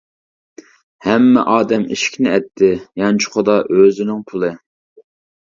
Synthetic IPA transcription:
hɛmːɛ̰ʔɑːd̪ɛmḭʃkʲʰnɪɛt̪ʰːɪjɑnt͡ʃʰʊ̥χʰʊd̪ɑʔøzɪnɪŋpʰulˠɨ

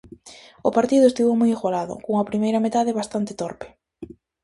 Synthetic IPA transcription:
ʊpaɾt̪iðʊest̪iβomojeɣwalaðʊ̰koŋɐpɾimejɾɐmet̪aðeβast̪ant̪ɪt̪ɔɾpɪ̥

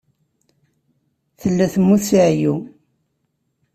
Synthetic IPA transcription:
θəlːæθəmːuθsiʕju

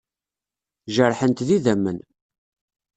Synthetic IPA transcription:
ʒəɾˤħənt̪ðiðæmːən

